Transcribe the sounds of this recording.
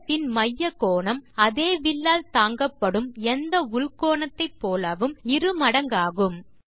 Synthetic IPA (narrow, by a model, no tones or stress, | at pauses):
t̪ːɪnmɐjːɐkoːɳɐmɐðeːʋɪlːaːlt̪aːŋɡɐpːɐɽɯmɛnd̪ɐʊɭkoːɳɐt̪ːɐɪpːoːlɐʋɯmɪɾɯmɐɽɐŋɡaːɣɯm